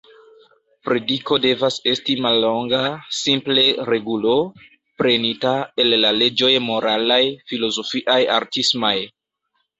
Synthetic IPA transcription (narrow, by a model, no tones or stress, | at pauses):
pɾe̞diko̞de̞vase̞stimalːo̞ŋɡasimple̞ɾe̞ɡulo̞ | pɾe̞nitae̞lːale̞d͡ʒo̞jmo̞ɾalajfilo̞zo̞fiʔaja̰ɾtismaj